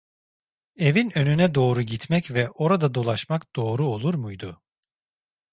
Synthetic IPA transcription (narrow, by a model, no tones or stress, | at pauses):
e̞vinø̞nynɛd̪o̞ːɾuɟit̪mɛcvɛʔo̞ɾad̪ad̪o̞lˠaʃmakd̪̥o̞ːɾuo̞lˠuɾmujd̪ʊ